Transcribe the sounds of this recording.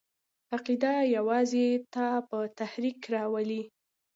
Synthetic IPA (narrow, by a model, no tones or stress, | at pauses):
aqid̪ajawɑzet̪apət̪ahɾikɾɑwali